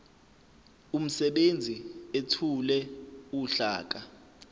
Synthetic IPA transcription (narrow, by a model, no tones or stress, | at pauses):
um̩sɛɓend͡zʱietʰulɛuɬa̰ːk̬ʼa